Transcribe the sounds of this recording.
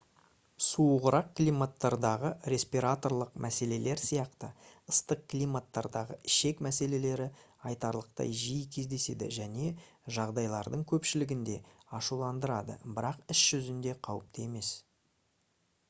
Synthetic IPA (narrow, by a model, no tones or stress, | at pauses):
suʁəɾɑqklijmat̪ːɑɾd̪ɑʁəɾe̞spiɾat̪o̞ɾlˠəqmʔæse̞le̞le̞ɾsijɑqt̪əəst̪əq̚klijmat̪ːɑɾd̪ɑʁəɪʃe̞kmæse̞le̞le̞ɾɪ | ɑjt̪ɑɾlˠəq̚t̪ɑ̰jʒijəkʲʰe̞zd̪e̞se̞̰d̪ɪ̰ʒæne̞ | ʒɑʁd̪ɑjlˠɑɾd̪əɴkʲʰɵpʃɪlɪɡʲɪnd̪e̞ɑʃulˠɑnd̪əɾɑd̪ə̰bɪɾɑqɪsʒ̥ʏzɪnd̪e̞qʰɑwəp̚t̪e̞me̞s